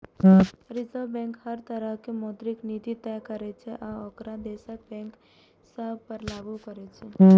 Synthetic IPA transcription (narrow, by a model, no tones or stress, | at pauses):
ɾɪzəɾʋbɛ̃ŋkhəɾt̪əɾəɦkemɔːt̪ɾɪknit̪it̪ɛkəɾɛt͡ʃʰɛʔaokɾad̪esək̚bɛ̃ːŋk | səb̚ʱpəɾlaːɡukəɾɛt͡ʃʰɛ